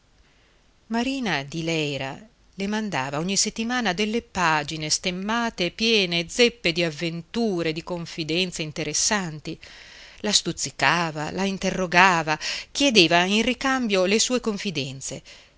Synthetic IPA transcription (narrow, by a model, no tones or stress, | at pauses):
maɾiːnad̪ilɛjɾa̰ | lemand̪a̰ːvaɔɲːiset̪ːimaːnad̪elːepaːd͡ʒinest̪emːaːt̪epjɛːned̪zepːed̪iavːent̪uːɾed̪ikoɱfid̪ɛnt̪seint̪eɾesːant̪ilast̪ut̪sːikaːva̰laint̪erːoɡaːvak̟jed̪eːvainrikambjolesuːekoɱfid̪ɛnt̪se